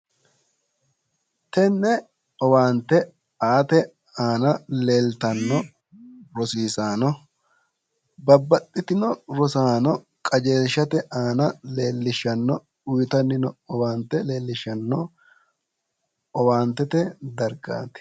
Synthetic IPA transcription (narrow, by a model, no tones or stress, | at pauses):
t̪ɛnːɛ | ɔwaːnt̪ɛ | aːt̪ɛ | aːnɐle̞ːlt̪ɐnːɔ | ɾɔsiːsaːnɔ | bɐbːɐt̪ʼːɪt̪ɪnɔɾɔsaːnɔ | kʼɐd͡ʒe̞ːlʃːɐt̪ɛʔaːnɐle̞ːlːɪʃɐnːɔ | ʊjt̪ɐnːɪnɔɔwaːnt̪ɛle̞ːlːɪʃɐnːɔ | ɔwaːnt̪ɛt̪ɛd̪ɐɾɡa̰ːt̪ɪ̥